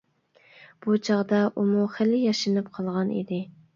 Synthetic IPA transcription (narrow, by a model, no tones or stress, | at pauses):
b̥ut͡ʃʰɑʁd̪ɑʔumuχɪlɪjɑʃɨnɨpqʰɑlˠʁɑnḭd̪ɪ